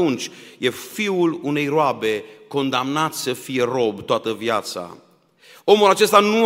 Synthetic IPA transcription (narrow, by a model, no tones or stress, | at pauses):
unt͡ʃʲje̞fiulune̞jroabe̞ko̞nd̪amnat̪ssəfije̞ro̞bt̪oat̪əvjat̪sa̰ | o̞mulat͡ʃe̞st̪anu